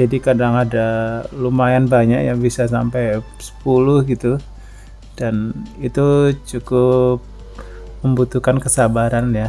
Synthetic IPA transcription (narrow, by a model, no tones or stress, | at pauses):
d͡ʒadikadaŋadalumajanbaɲakjaŋbisasampaj | sə̥pulʊhɡit̪u | d̥anit̪ut͡ʃukʊp̚ | məmbut̪uhkankəsabaɾanja